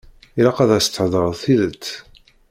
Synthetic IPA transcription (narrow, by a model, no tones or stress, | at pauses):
ilaqæðæst̪ːəħðˤəɾˤəðˤθiðət͡sː